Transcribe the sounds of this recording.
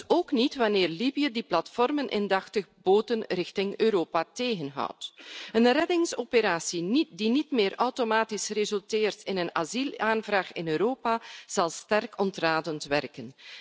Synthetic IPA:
oːknitʋɑnɪːrlibijədiplɑtfɔrmənʔɪ̰ndɑxtəɣboːtənrɪxtɪŋøːɾoːpateːɣənɦɑ̰wtənrɛdɪŋsopəɾaːsindinitmɪːɾœwtomaːtisrezɵlˠtɪːrtɪnənazilaːnvraːxɪnøːɾoːpaz̥ɑlˠstɛrkɔntraːdəntʋɛrkən

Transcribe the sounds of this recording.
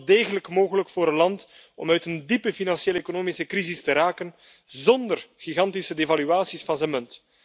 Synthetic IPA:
deːɣələkmoːɣələkfoːɾənlɑnt | ɔ̰mœɥtəndipəfinɑnsjeːlekonoːmisəkrɾizɪstəɾaːkən | zɔndərɣ̥iɣɑntisədeːvalyaːsisfɑnzənmɵnt

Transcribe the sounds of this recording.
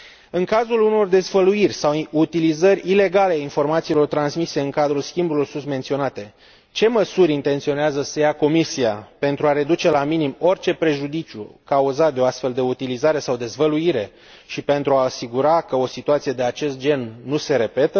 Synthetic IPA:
ɨŋkazuluno̞rd̪e̞zvəluirʲsawut̪ilizəɾʲile̞ɡaleainfo̞rmat̪siːlo̞rt̪ɾansmise̞ɨŋkad̪ɾulskʲimbulo̞rsunt̪me̞nt̪sio̞nat̪e̞ | t͡ʃe̞məsuɾʲint̪e̞nt̪sio̞neazəsəjako̞misiape̞nt̪ɾuaɾe̞d̪ut͡ʃe̞laminimo̞rt͡ʃe̞pɾe̞ʒud̪it͡ʃiṵkauzat̪̚d̪eo̞ast̪fe̞ld̪e̞ut̪ilizaɾe̞sawd̪e̞zvəluiɾe̞ | ʃipe̞nt̪ɾuaːsiɡuɾakəo̞sit̪uat̪sije̞d̪e̞at͡ʃe̞st̪̚d͡ʒe̞nːuse̞ɾe̞pe̞t̪ə

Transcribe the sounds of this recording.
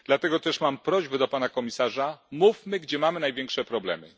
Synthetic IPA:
d̪̥lat̪ɛɡɔt̪ɛʂmampɾɔʑbɘd̪ɔpanakɔmʲisaʐamufmɘɡd͡ʑɛmamɘnajvʲjɛŋkʂɛpɾɔblɛ̰mɘ̰

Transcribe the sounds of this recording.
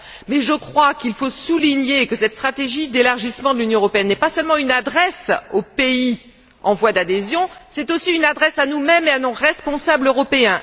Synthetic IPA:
mɛʒəkχwakilfosuliɲekəsɛt̪st̪χat̪eʒid̪elaʁʒismɑ̃d̪əlynjɔ̃əʁɔpeɛnːɛpasœlmɑ̃ynad̪ʁɛsopei | ɑ̰̃vwad̪ad̪ezjɔ̃sɛt̪osiynad̪ʁɛsanumɛmeanoʁɛspɔ̃sabløʁɔpeɛ̃

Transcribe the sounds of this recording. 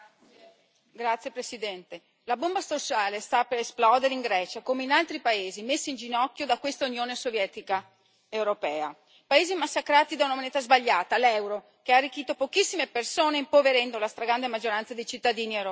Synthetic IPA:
ɡɾat̪sjepɾesid̪ɛnt̪e | labombast̪osaːlest̪apeɾesplɔd̪eɾeiŋɡɾɛːt͡ʃakomeinalt̪ɾipaeːzimesːaind͡ʒinɔkːjod̪akwest̪aunjoːnesovjɛːt̪ika | ewɾopɛːa | paeːzimasːakɾaːt̪id̪aunamoneːt̪azbaʎːaːt̪alɛwɾo | kearːik̟ːiːt̪opokisːimepersoːneimpoveɾɛnd̪olast̪ɾaɡɾand̪emad͡ʒːoɾant̪sad̪ejt͡ʃit̪ːad̪iːnie

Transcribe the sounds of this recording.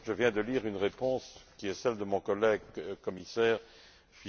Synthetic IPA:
ʒəvjɛ̃d̪əliːʁynʁepɔ̃skʲiɛsɛld̪əmɔ̃kɔlɛɡkɔmisɛːʁ | fi

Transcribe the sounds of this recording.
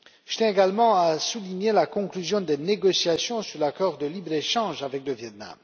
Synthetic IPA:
ʒə̥t̪jɛ̃eɡalmɑ̃asuliɲelakɔ̃klyzjɔ̃d̪eneɡɔsjasjɔ̃syʁlakɔʁd̪əlibʁeʃɑ̃ʒavɛkləvjɛt̪na̰m

